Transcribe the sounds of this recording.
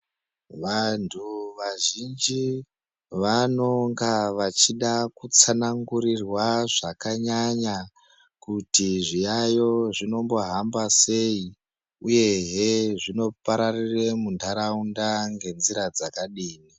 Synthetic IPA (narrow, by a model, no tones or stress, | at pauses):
ʋantʰuʋaʒind͡ʒi | ʋano̞ŋɡaʋat͡ʃiɗakut͡sanaŋɡuɾirwaʐakaɲaɲa | kutiʐijajo̞ʐino̞mbo̞ɦambase̞i | uje̞ɦeʐino̞paɾariremundʱaɾaundaŋɡe̞nziɾad͡zakaɗiːni